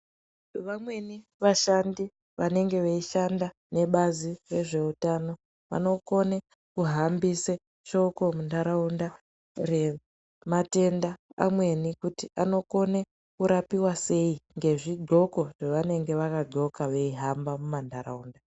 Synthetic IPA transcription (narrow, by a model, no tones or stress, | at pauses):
ʋamwe̞niʋaʃandi | ʋane̞ŋɡe̞ʋeiʃanda | ne̞ɓazire̞ʐe̞utano̞ | ʋa̰no̞ko̞ne | kuɦambise | t͡ʃo̞ko̞mundaɾaunda | re̞ | mate̞nda̰ːmwe̞nikutiano̞ko̞ne | kuɾapiwase̞iŋɡe̞ʐiɡʱo̞ko̞ʐ̥eʋane̞ŋɡe̞ʋakaɡo̞kaʋe̞iɦambamumandʱaɾaunda